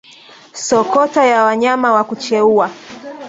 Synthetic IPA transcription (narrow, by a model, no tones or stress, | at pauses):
sɔkɔtajawaɲamawakut͡ʃɛua